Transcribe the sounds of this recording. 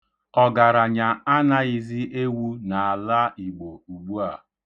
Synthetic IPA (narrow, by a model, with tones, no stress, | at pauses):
ɔ˦ɡa˨ɾa˨ɲa˨a˦na˦i˨zi˦ʔe˦wu˦na˨a˨la˦i˨ɡ͡bo˨u˨ɡ͡bu˦a˨